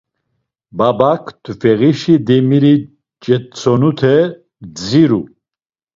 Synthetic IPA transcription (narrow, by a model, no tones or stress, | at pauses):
babakʰt̪ʰfɛɣiʃid̪ɛmiɾi | t͡ʃʼɛt͡sʰɔnut̪ʰɛ | d͡ziɾu